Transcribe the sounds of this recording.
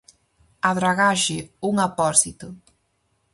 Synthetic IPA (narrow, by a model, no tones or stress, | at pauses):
aðɾaɣaʃɪuŋapɔsit̪ʊ